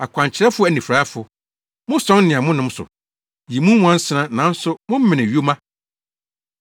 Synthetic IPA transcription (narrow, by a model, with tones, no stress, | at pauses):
a˨kʷʰã˨ɲ˨t͡ɕʰɪ˨˦ɾɛ˦fʊ˦æ˨nĩ˨fɾa˦fʊ˨ | mʊ̃˦sɔ̃˦nnɪ̃˨ã˨mʊ̃˦nʊ̃˦m̩˦sʊ̰˨ | ji˨mũ˦w̃ã˦n̩˦sɪ˦nã˦nã˨˦n̩˦sʊ˦mʊ̃˦m̩˦mɪ̃˨nɪ̃˨ɥi˦o˦mã˦